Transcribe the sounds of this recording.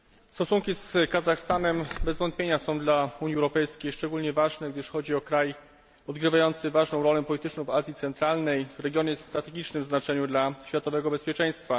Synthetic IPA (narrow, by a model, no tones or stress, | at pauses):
st̪ɔsuŋkʲiskazaxst̪anɛmbɛzvɔnt̪pʲeɲasɔ̃w̃d̪lauɲiɛwɾɔpɛjskʲejʂt͡ʂɛɡulɲɛvaʐnɛɡd̪ɘʂxɔd͡ʑiɔkɾaj | ɔd̪ɡɾɘvajɔnt̪sɘvaʐnɔ̃w̃ɾɔlɛpɔlʲit̪ɘt͡ʂnɔ̃w̃vazʲjit̪sɛnt̪ɾalnɛjvɾɛɡʲjɔɲɛsst̪ɾat̪ɛɡʲit͡ʂnɘmznat͡ʂɛɲud̪laɕfʲjat̪ɔvɛɡɔbɛspʲjɛt͡ʂɛj̃st̪fa